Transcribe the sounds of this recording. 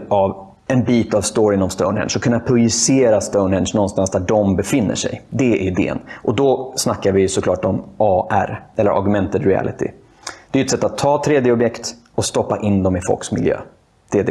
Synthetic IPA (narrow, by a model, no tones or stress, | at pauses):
av | ɛnbiːt̪avst̪ɔɾɪnɔmst̪ə̰ʊnhɛ̰nʂɔkʰɵnːapʰɾʊjɵseːɾast̪əʊnhɛnʂnɔnst̪ansd̪æɖɔmbɛfɪnːə̰ʂɛ̰jd̪ɛæɪd̪ḛːə̰nʔɔd̪ɔsnakːaɾvɪsɔkʰlɑːʈɔmɑːʔæ̰ɾɛlːə̰ɾa̰ɾɡɵmɛnt̪əd̪ɾɪæ̰lɪ̰t̪ʰɪ̰ | d̪̥ɛjɵɛt̪sɛt̪ːat̪ʰːɑːt̪ʰɾeːd̪jəɔbjɛkt̪ | ɔst̪ɔpːaʔɪnːd̪ɔmɪfɔ̰lksmɪljø̰ː | d̪̥ɛd̪ɛ